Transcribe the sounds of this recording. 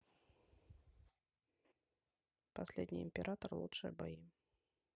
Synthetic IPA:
pasʲlʲɛd̪ʲnʲḭimpʲɛɾʔat̪ɐrlˠṵtʂɨjɐ̰baji

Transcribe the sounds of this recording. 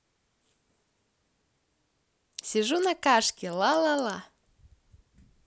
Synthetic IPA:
sʲiʒunakɑʃkʲelɑlɑlɑ

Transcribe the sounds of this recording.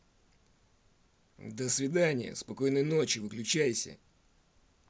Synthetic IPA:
d̪əsvʲɪd̪anʲɪjə̰spɐko̞jnɨjno̞t͡ɕɪvɨklʲʉt͡ɕæjsʲə̰

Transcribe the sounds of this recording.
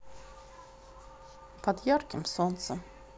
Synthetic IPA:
pʰɑd̪jɑɾkəmsonsən

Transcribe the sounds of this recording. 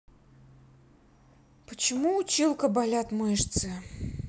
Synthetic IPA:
pət͡ɕɪmuːt͡ɕilˠkəbalʲat̪mɔʂt̪sɨ

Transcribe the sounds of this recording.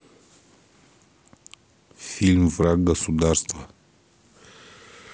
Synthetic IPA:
filmvɾaɡəsud̪aɾst̪və

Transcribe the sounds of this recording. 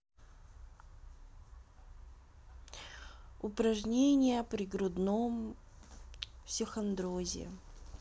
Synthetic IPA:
ʊpɾɐʐnʲenʲɪjəpɾʲɪɡɾʊd̪nom | fsʲɪxɐnd̪ɾozʲɪ̰

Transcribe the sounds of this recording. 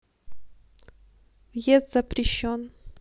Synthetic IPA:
vjest̪z̥ɐpɾʲɪɕːon

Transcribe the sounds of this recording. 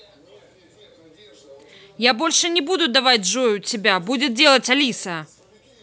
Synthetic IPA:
jabɔlʲʂɨnʲɛbud̪ʊd̪avad͡zʲʐɔjut͡sʲɪbʲabud͡zʲɛd͡zʲelˠɐt͡sʲalʲisɐ

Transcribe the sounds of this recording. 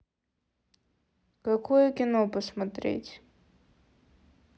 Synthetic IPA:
kɐkɔjʊkʲɪnopɔsmɐt̪ɾʲḛtʲ

